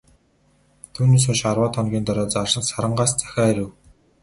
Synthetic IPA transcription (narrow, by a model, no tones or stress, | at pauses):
t̪ʰuːneːs̬ʊʃarwaːt̪ʰɔnɡʲiːnt̪ɔɾɔːt͡sarʃə̆nsaɾə̆ɴɢaːst͡sæ̥xʲaːeɾɘ̆w